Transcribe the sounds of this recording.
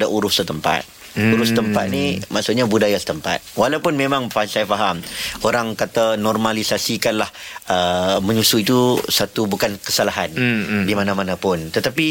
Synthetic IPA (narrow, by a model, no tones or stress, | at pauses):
daʔuɾʊhsət̪əmpa̰t̪̚ | uɾʊsət̪əmpat̪̚nimaʔsuʔɲabudajasə̥t̪əmpa̰t̪̚walawpʊnmemãŋfasajafaɦamoɾaŋkat̪anɔrmalisasikanlahəmə̃ɲusuit̪usat̪ubukankə̥salaɦandimanãmãnãpʊnt̪ət̪api